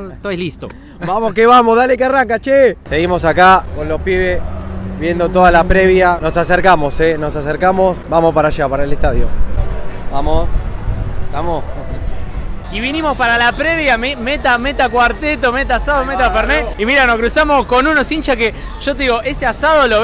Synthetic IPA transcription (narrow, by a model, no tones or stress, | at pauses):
t̪ojlist̪o̰ | bamoskeβamozðalekearaŋkat͡ʃese̞ɣimo̞sakako̞nlo̞hpiβesβje̞nd̪o̞t̪o̞ðalapɾeβjano̞saseɾkamo̞senosaseɾkamosbamospaɾaʒapaɾaelest̪aðjo̰ | bamos | bamos | iβinimo̞spaɾalapɾeβjamemet̪amet̪akwaɾt̪et̪̬omet̪asaðomet̪afeɾneimiɾanokɾusamosko̞nũnosint͡ʃake | ʃot̪eðiɣoʔeseasaðolo